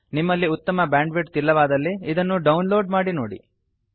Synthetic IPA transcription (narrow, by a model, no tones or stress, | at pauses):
nimːɐlːiut̪ːɐmɐbaːɳɖʋiʈt̪ilːɐʋaːd̪ɐlːiːd̪ɐnːuɖɐwnlo̞ːɖmaːɽinoːɽḭ